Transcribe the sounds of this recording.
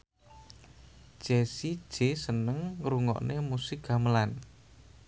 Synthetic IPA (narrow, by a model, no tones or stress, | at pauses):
ʒ̥esid̥ʒ̥esənəŋɾuŋɔ̰ʔnemusɪkɡa̤məlan